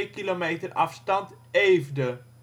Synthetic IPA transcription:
jkilomejtərɑ̰fstɑnt | eːvdə

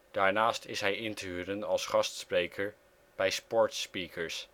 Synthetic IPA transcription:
d̥aːɹnaːstɪsɦɛjɪntyːɾənɑlˠsχɑstsprejkʰəɹ | b̥ɛjspɔɹtspikʰəɹs

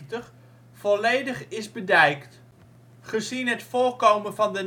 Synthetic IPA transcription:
təχ | fɔlejdəχɪzbədɛjkt | χəzinɦətfoːɹkowmənvɑndən

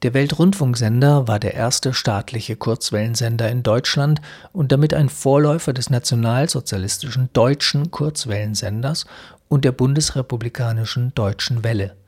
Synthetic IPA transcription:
d̥eːɐvɛltʁʊntfʊŋkz̥ɛndɐvaːɐdeːɐʔeːɐstəʃtaːtʰlɪçəkʰʊɐt͡sv̥ɛlənzɛndɐɪndɔʏt͡ʃlant | ʊnt̚d̥amɪtʔaɪnfoːɐlɔʏfɐdɛsnat͡sjonaːlzot͡sjalɪstɪʃn̩d̥ɔʏt͡ʃn̩kʰʊɐt͡sv̥ɛlənzɛndɐs | ʔʊntd̥eːɐbʊndəsʁepublikʰaːnɪʃn̩d̥ɔʏt͡ʃn̩vɛlə

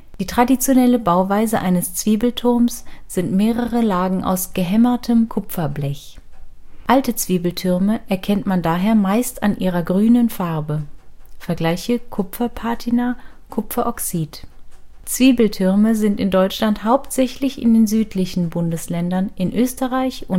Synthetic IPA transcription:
d̥iːtʁ̥adit͡sjonɛləbaʊvaɪzəʔaɪnəst͡sv̥iːbl̩tʰʊɐmsz̥ɪntmeːʁəʁəlaːɡŋ̩ʔa̰ʊsɡ̥əɦɛmɐtʰəmkʰʊpp͡fɐblɛç | ʔaltət͡sv̥iːbl̩tʰʏʁməʔɛɐkʰɛntmandaːɦeːɐmaɪstanʔiːʁ̞ɐɡʁyːnənfaʁbəfɛɐɡlaɪçəkʰʊpfɐpʰaɐtʰina | kʰʊpp͡fɐʔɔksiːt | t͡sv̥iːbl̩tʰʏʁməzɪntɪndɔʏt͡ʃlanthaʊptz̥ɛçlɪçɪ̰ndeːnzyːtʰlɪçn̩bʊndəslɛndɐnʔɪnʔøːstəʁaɪçʊn

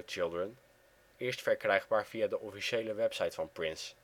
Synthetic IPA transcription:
t͡ʃɪlˠdrən | ɪːɹstfɛɹkrɛjχbaːɹv̥ijaːdəʔɔfiʃejləʋɛpsɑjtfɑnprɪns

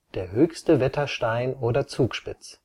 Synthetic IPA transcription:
d̥eːɐɦøːçstəvɛtʰɐʃtaɪnoːdɐt͡suːkʃpɪt͡s

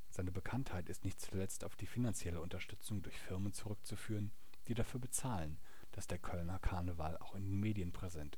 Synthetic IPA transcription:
z̥aɪnəbəkʰanthaɪtɪstnɪçtt͡sulɛt͡staʊfd̥iːfinant͡sjɛləʊntɐʃtʏt͡sʊŋdʊɐçfɪɐmənt͡suʁʏk̚t͡sufyːʁ̞ən | d̥iːɾafyːɐbət͡saːlən | d̥asd̥eːɐkʰœlnɐkʰaɐnəvala̰ʊxɪndeːnmeːdiənpʁ̥ɛzɛntɪ

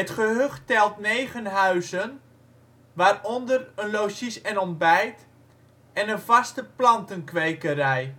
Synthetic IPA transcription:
ətχəɦøχtɛlˠtnejχənɦœɥzən | ʋaːrɔndərənlosisɛnɔmbɛjt | ɛnənvɑstəplɑntənkʋejkəɾɛj

